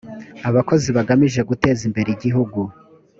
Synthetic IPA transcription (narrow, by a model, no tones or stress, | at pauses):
aβako̞ziβaɡamiʒe̞ɡute̞ːzimbe̞ɾeiɟiɦuɡu